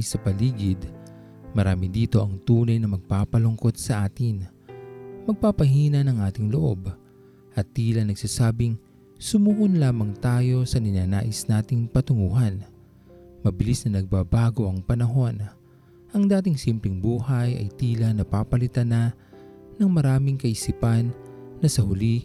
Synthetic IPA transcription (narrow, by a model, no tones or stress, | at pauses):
sɐpɐliːɡɪd̪ | mɐɾaːmɪd̪iːt̪o̞ʔɐŋt̪uːnɐjnɐmɐɡ̚paːpɐlʊŋko̞t̪̚sɐʔaːt̪ɪn | mɐɡ̚paːpɐɦiːnɐnɐŋʔaːt̪ɪŋloʔo̞̰b | ʔɐt̪ːiːlɐnɐɡsaːsaːbɪŋ | sʊmuːhonlaːmɐŋt̪aːjo̞sɐnɪnaːnaːʔɪsnaːt̪ɪŋpɐt̪ʊŋuːɦɐn | mɐbɪlisnɐnɐɡ̚babaːɡo̞ʔɐŋpɐnɐɦo̞n | ʔɐŋd̪aːt̪ɪŋsimplɪŋbuːhɐjɐ̰jt̪iːlɐnɐpaːpɐlɪt̪ana | nɐŋmɐɾaːmɪŋkɐʔɪsipɐnː | ɐsɐhʊli